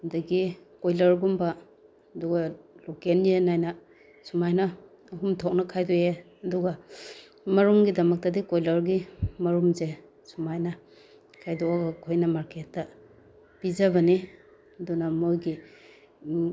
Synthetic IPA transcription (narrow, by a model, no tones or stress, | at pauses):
daɡikojlɐɾɡumbaː | duɡalokenjenajna | sumajnaː | ɦumtʰɔk̚nakʰajdɔje | ɐduɡa | mɐɾumɡidɐmɐk̚tɐdikojlɐɾɡimɐɾumze | sumajna | kʰajdɔaɡakʰojnamaɾketːa | pizabɐni | ɐdunamojɡi